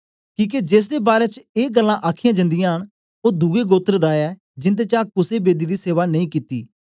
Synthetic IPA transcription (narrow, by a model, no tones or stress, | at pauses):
kĩːk̬ed͡ʒeːs̬d̪eːbaːɾeːt͡ʃeːɡəlːãːʔaːkʰijãːd͡ʒə̃nd̪ɪjãːɦəɽ̃ | oːd̪uːɡeːɡoːt̪əɾd̪aːɛː | d͡ʒɪnt̪̬eːt͡ʃaːkʊseːbeːd̪iːd̪iːseːʋaːnəĩːkiːt̪ḭː